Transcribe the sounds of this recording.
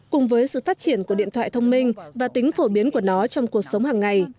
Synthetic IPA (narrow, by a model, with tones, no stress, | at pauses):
kʊ˨˩ŋ͡mvəː˨˦jsɨ̰˧˨faː˦˥t̚t͡ɕi˧˩ənku˧˩əɗḭ˧˨ənt̪ʰwa̰ː˧˨jt̪ʰə˧wŋ͡mmï˧ŋ̟vaː˨˩t̪ï˨˦ŋ̟fo˧˩ɓi˨˦ənku˧˩ənɔ˨˦t͡ɕɔ˧wŋ͡mku˨˩ək̚sə˨˦wŋ͡mhaː˨˩ŋːa˨˩j